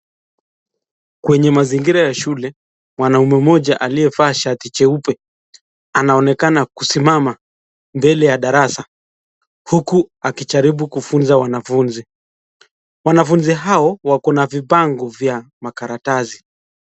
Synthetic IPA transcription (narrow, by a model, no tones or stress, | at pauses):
kwɛɲɛmaziŋɡiɾajaʃulɛ | mwanaumɛmɔʄaʔaliɛfaːʃatit͡ʃɛupɛ | anaɔnɛkanakusimama | mbɛlɛjaɗaɾasa | hukuakit͡ʃaɾiɓukufunzawanafunzi | wanafunziɦaɔwakɔnavipaŋɡɔvja | makaɾatazi